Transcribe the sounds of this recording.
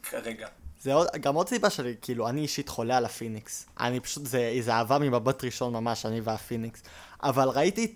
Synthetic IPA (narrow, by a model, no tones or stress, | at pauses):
kaʁeɡazeo̞dɡamo̞d̪sibaʃe̞likiːluaniːʃit̪χo̞lealafiniksa̰nipḁʃut̪zeizeaːvamimabatʁiʃo̞nmamaʃaniveafiniks | a̰valʁaiti